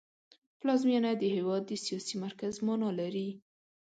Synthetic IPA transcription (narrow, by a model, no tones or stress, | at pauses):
plɑzmjɑnad̪əhewɑd̪̚ːəsijɑsimaɾkazmɑnɑlaɾi